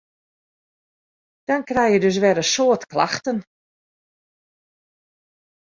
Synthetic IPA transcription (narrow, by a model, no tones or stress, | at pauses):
d̥ɔnkrɛjjədøs̬ʋɛdəsoətkla̰xtən